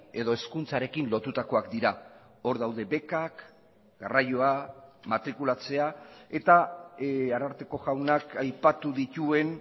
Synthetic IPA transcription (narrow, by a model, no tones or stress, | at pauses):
e̞ðo̞e̞skunt͡saɾe̞kinlo̞t̪ut̪ako̞akd̪iɾa | o̞ɾðawðe̞be̞kak | ɡarajo̞amat̪ɾikulat͡se̞ae̞t̪a | aɾaɾt̪e̞ko̞ɣawnakajpat̪uðit̪ue̞n